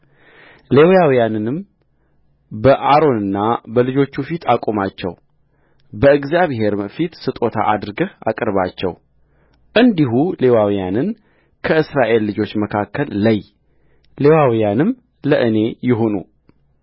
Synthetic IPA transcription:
le̞wjawijanɨnɨm | bəʔaɾo̞nɨnːabəlɨd͡ʒo̞t͡ʃːufit̪ʰakʼomat͡ʃːɛ̰w | bəɨɡzijaβhe̞ɾɨmfit̪sɨt̪ʼo̞t̪ʰa̰ʔad̪ɾɨɡəha̰kʼɨɾβat͡ʃːɛ̰w | ʔɨnd̪iɦule̞wawjanɨn | kʰəɨsɾaʔe̞lːɨd͡ʒo̞t͡ʃːməkʰakːəlːaj | le̞wawijanɨm | ləʔɨne̞jɪɦo̞nṵ

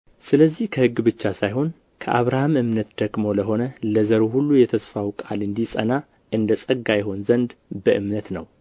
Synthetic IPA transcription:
sɨləzːihkʰəhɨɡːbɨt͡ʃːasajɦo̞n | kʰəʔa̰βɾahamɨmnət̪d̪̥əɡmo̞ləɦo̞nələzəɾuhulːujɛt̪ʰəsfawkʼalɨnd̪isʼə̰na | ʔɨnd̪əsʼəɡːajɛɦo̞nzənd̪bəʔɨmnət̪nə̰w

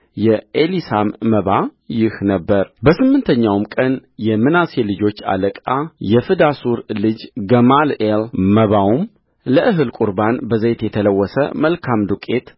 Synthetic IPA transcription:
jɛʔelisamːəβajɪhnəbːəɾbəsɨmːɨnt̪ʰəɲːawmkʼənjɛmɨnase̞lɨd͡ʒo̞t͡ʃːa̰ləkʼajɛfɨd̪asuɾlɨd͡ʒɡəmalelməβawum | ləʔɨɦɨlkʼuɾbanbəzejt̪jɛt̪ʰələwːɔsə̰məlkʰamd̪ukʼe̞t̪

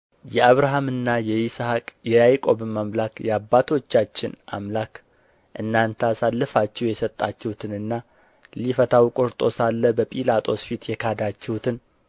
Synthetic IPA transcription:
jɛaβɾaɦamɨnːajɛjishakʼjɛjajkʼo̞bmamlakjɛabːat̪ʰo̞t͡ʃːat͡ʃːɪna̰mlak | ʔɨnːant̪ʰəasalːəfat͡ʃːɛwjɛsət̪ʼːat͡ʃːɛhut̪ʰɨnɨnːa | lifət̪ʰawkʼoɾt̪ʼo̞salːəbəpʼilat̪ʼʰo̞sfit̪jɛkʰad̪at͡ʃːɛhut̪ʰɨn

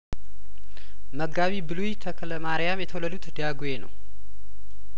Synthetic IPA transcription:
məɡaβibɨlujt̪ʰəkʰələmaɾjamjɛt̪ʰəwlːəd̪ut̪d̪ijaɡujenə̰w

